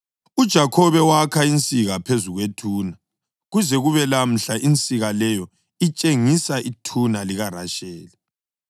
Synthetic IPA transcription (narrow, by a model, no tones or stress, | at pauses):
ud̥ʒ̥ʱakʰɔβɛwakʰaint͡sʼiɣapʰezuɣwetʰuːna | ɣuzɛɣuβɛlam̩ɬaʔint͡sʼiɣalɛjɔ | it͡ʃʼeŋisaʔitʰunaliɣara̰ʃɛːlɛ